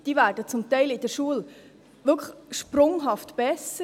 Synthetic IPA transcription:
d̥ivæːɾdət͡sʊmt̪ɛɪlɪd̥əɾʃuəl | ʋʏkʰχʃpɾʊŋɦɑftb̥ɛsə

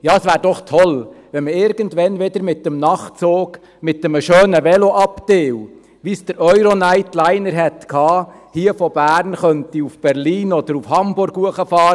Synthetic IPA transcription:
jɑːəsʋæːɾdɔχt̪ʰɔlʋɛnməɪɾɡ̥əntʋɛnʋɪd̪əɾmɪtːəmnɑχt͡soːɡ | mɪtːɛməʃøːnəʋɛloʔɑpt̪eːw | ʋisd̥əɾʔœʏɾonæɪtlæɪnəɾɦɛt̪kʰhɑːhiəfɔb̥æːɾnχœnt̪iufb̥ɛɾliːnɔd̥̪əɾufhɑmbʊɾɡuəχəfɑːɾ

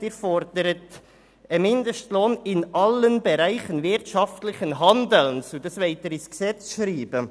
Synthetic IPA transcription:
d̥ɪːɾfɔɾd̥əɾət | əmɪnd̪əʃtloːnɪnʔɑlənbɛɾæɪχənvɪɾtʃɑftlɪçənɦɑndəlnsodəsvɛɪt̪əɾɪsksɛt͡sʃɾiːb̥ə

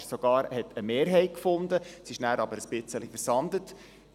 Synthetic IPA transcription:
sɔɡ̥ɑːɾhɛtʰəmeːɾɦɛɪt̚kfʊnd̪əsɪʃnæːɾɑbəɾəsbɪt͡səlifəɾsɑndət

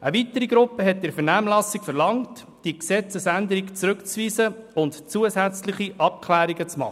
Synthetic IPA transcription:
ʔəvitːəɾiɡɾʊpːəɦɛt̚dɪɾfɛɾnæːmlɑsɪkfɛɾlɑŋt | d̥iksɛt͡səsænd̪əɾikt͡sɾɵkt͡sʋiːsəʊntt͡suəzæt͡slɪχiʔɑp̚kʰlæːɾiɡət͡smɑ̰χə

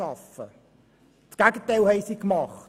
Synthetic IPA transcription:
ɑfə̰ | tɡ̥æɡətəjlˠhəjsikmɑχ

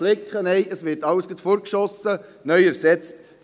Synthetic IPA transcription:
lɪkχənɛɪʔəsʋɪɾtɑwsɡət̪foɾkʃɔsənœʏæɾsɛt͡st

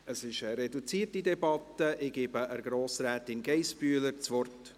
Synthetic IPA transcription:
əsɪʃəɾɛdut͡siːtidɛbɑtːəʔɪɡ̥ɪbəʔəɾɡɾoːsɾɛːtɪnɡɛɪsbyːləɾt͡sʋɔrt

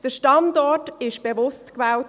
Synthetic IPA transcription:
d̥əʃtɑndɔtɪʃb̥evʊstkʋɛːl

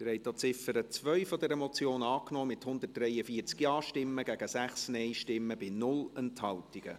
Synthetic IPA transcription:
dəɾɛjt̪ot͡sɪfəɾət͡sʋœʏfɔdɛɾəmɔt͡sjoːnɑːknoːmɪthʊnd̪ət̚d̥rɛjəfiːt͡skjɑːʃtɪmːəɡ̥æɡ̥əsæχsnɛɪʃtɪmːəbɪnʊlənthɑltiɡ̥ə̰

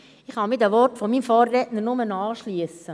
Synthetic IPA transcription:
ɪχhɑmidæʋɔrtfɔmiːmfɔːrːɛtnəɾnʊmənɑːʃliəsə

